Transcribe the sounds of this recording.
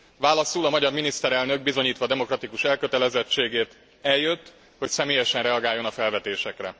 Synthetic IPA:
vaːlɒsulɒmɒɟɒrminist̪ɛɾɛlnø̞ɡ̚bizo̞ɲiːt̪ʋɒd̪ɛmo̞krɒt̪ikuʃɛlkøt̪ɛlɛzɛt͡ʃːeːɡeːrt̪ | ɛljøt̪ː | ho̞csɛmeːjɛʃɛnrɛɒɡaːjːo̞nɒfɛlvɛt̪eːʃɛkrɛ̰

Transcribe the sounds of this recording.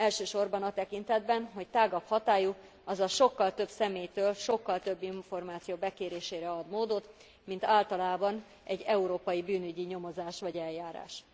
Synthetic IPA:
ɛlʃøːʃo̞rbɒnɒt̪ɛkint̪ɛd̪bɛnɦo̞ct̪aːɡɒphɒt̪aːju | ɒzɒʃo̞kːɒlt̪ø̞bsɛmeːjt̪øːlʃo̞kːɒlt̪ø̞bːiɱfo̞rmaːt̪sijoːbɛkeːɾeːʃeːɾɛɒd̪moːd̪o̞t̪ | mint̪aːlt̪ɒlaːbɒn | ɛɟːɛuɾoːpɒjibyːnyɟiɲo̞mo̞zaːʃʋɒɟɛljaːɾa̰ːʃ

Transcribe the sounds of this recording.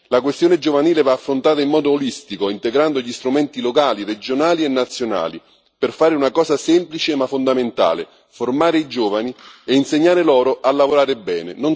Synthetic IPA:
lakwest̪joːned͡ʒovaniːlevaːfːɾont̪aːt̪aimːɔːd̪oːlist̪ikoint̪eɡɾand̪oʎist̪ɾumɛnt̪ilokaːlired͡ʒonaːlienːat̪sːjona̰ːli | perfaːɾɪunakɔːsasɛmplit͡ʃemafːond̪ament̪a̰ːlḛ | formaːɾeid͡ʒoːvanieinseɲːaːɾelɔːɾoʔalːavoɾaːɾebːɛ̰ːnḛnon

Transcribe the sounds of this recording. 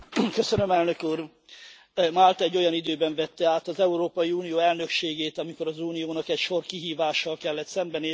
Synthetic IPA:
kø̞sønø̞mɛlnø̞kuːr | malt̪ɛɟːo̞jɒnid̪øːbɛɱvɛt̪ːɛaːt̪ɒzɛuɾoːpɒjiuːnijoːɛln̪ø̞kʃeːɡeːt̪ɒmiko̞ɾɒzuːnijoːnɒkɛcʃo̞rkiɦiːvaːʃːɒlkɛlːɛt̪sɛmbɛneː

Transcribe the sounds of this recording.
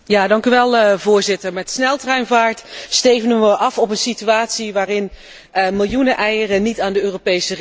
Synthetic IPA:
jaːdɑŋkyʋɛlˠvʊːɹzɪtəɹmɛtsnɛlˠtrɛɥnvaːɹtstejvəndənʋəʔɑfɔpənsityaːtsiʋaːrɪn | mɪlˠjunəʔɛjərənitaːndəøːropejsə

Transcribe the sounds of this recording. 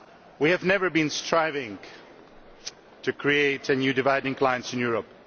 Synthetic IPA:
wihɨvnɛvə˞bĩnstʰɹaɪvɪ̃ŋ | tʰɨkʰɹieɪtɨnjʉːdɪvaɪdɪ̃ŋkl̥aɪə̃ntsɪ̃njuɹəp̚

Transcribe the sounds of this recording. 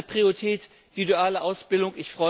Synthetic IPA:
pʁ̥ioitʰɛːt | v̥iduaːləʔaʊsb̥ɪldʊŋʔɪçfʁ̥ɔʏ

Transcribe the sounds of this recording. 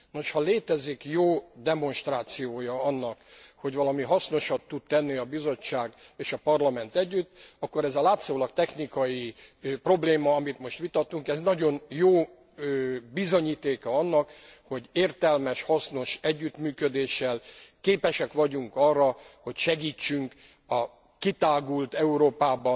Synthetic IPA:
no̞ʃhɒleːt̪ɛzikjoːd̪ɛmo̞nʃt̪raːt̪sijoːjɒɒnːɒkho̞ɟvɒlɒmiɦɒsno̞ʃɒt̪ːud̪̚t̪ɛnːiɒbizo̞t͡ʃːaːɡeːʃɒpɒrlɒmɛnt̪ɛɟːyt̪ːɒkːo̞ɾɛzɒlaːt̪soːlɒk̚t̪ɛxnikɒjipro̞bleːmɒɒmit̪mo̞ʃt̪ʋit̪ɒt̪ːuŋkɛznɒɟo̞njoː | øbizo̞ɲiːt̪eːkɒɒnːɒkho̞ɟeːrt̪ɛlmɛʃhɒsno̞ʃɛɟːyt̪myːkød̪eːʃɛlkeːpɛʃɛkʋɒɟuŋkɒrːɒho̞cʃɛɡiːt͡ʃːyŋk | ɒ | kit̪aːɡult̪ɛuɾoːpaːbɒ

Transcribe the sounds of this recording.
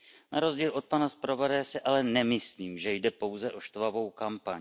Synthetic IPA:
naɾo̞zɟiːlʔo̞t̪̚panaspɾovadɛːsɪʔalɛnɛmɪsliːmʒɛjdɛpo̞wzɛʔo̞ʃt̪vavo̞wkampaɲ

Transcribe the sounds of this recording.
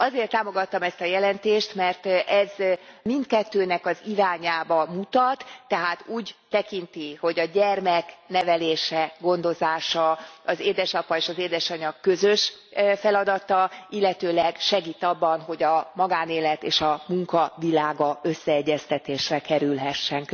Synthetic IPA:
ɒzeːrt̪ːaːmo̞ɡɒt̪ːɒmɛst̪ɒjɛlɛnt̪eːʃt̪mɛrt̪ʔɛzmint̪kɛt̪ːøːnɛkɒziɾaːɲaːbɒmut̪ɒt̪ːɛɦaːt̪uːɟt̪ɛkint̪iho̞ɟɒɟɛrmɛknɛvɛleːʃɛɡo̞nd̪o̞zaːʃɒɒzeːd̪ɛʃɒpɒeːʃɒzeːd̪ɛʃɒɲɒkːø̞zø̞ʃ | fɛlɒd̪ɒt̪ɒilːɛt̪øːlɛɡʃɛɡiːt̪ɒbːɒnɦo̞ɟɒmɒɡaːneːlɛt̪eːʃɒmuŋkɒvilaːɡɒø̞sːɛɛɟːɛst̪ɛt̪eːʃrɛkɛɾylɦɛʃːɛŋk

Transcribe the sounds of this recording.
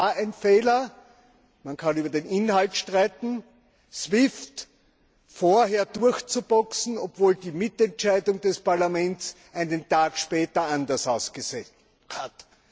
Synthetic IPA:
aæɪnfeːlɐ | mankʰanyːbɐdeːnɪnhaltʃtʁaɪtn̩ | svɪft | foːɐɦeːɐdʊɐçt͡subɔksn̩opvoːldiːmɪtɛntt͡ʃæɪdʊŋd̥ɛspaɐlamɛnts | ʔaɪnəntaːkʃpɛːtɐãndɐsaʊsɡ̥əse | hat

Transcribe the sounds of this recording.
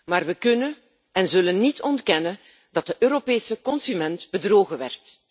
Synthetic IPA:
maːrʋəkɵnə | ɛnzɵlənːitʰɔntkɛnən | d̥ɑt̚dəʔøːɾopeːsəkɔnsymɛntb̥ədroːɣəʋɛ̰rt

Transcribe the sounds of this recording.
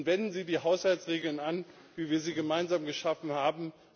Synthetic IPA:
vɛndn̩ziːdiːɦaʊshaltsʁeːɡl̩nan | viːviːɐziːɡəmaɪnzaːmɡəʃafn̩haːbm̩

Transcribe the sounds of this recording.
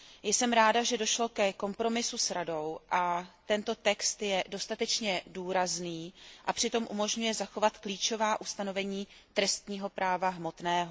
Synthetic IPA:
jsɛmɾaːdaʒɛdo̞ʃlo̞kɛko̞mpɾo̞mɪsusɾado̞wʔat̪ɛnt̪o̞t̪ɛkst̪jɛdo̞st̪at̪ɛt͡ʃɲɛduːɾazniːʔapr̥ɪt̪o̞mʔṵmo̞ʒɲujɛzaxo̞vat̪kliːt͡ʃo̞vaːʔust̪ano̞vɛɲiː | t̪ɾɛst̪ɲiːɦo̞pɾaːvaɦmo̞t̪nɛːɦo̞

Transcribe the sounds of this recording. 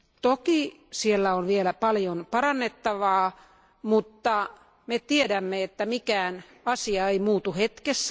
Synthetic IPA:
t̪oki | sielːæonʋielæpɑljonpɑrɑnːet̪ːɑʋɑː | mut̪ːɑ | met̪iedæmːeet̪ːæmikæːn | ɑsiɑeimuːt̪uhet̪kesː

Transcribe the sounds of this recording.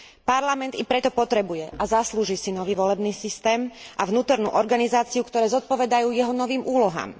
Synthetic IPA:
paɾlamɛnt̪ipɾɛt̪ɔpɔt̪ɾɛbujɛʔazasluːʒiːsinɔʋiːʋɔlɛbniːsist̪ɛːmʔaʋnuːt̪ɔɾnṵːʔɔɾɡanizaːt͡siukt̪ɔɾɛːzɔt̪̚pɔʋɛd̪ajuːjɛɦɔnɔʋiːmʔuːlɔɦa̰ːm

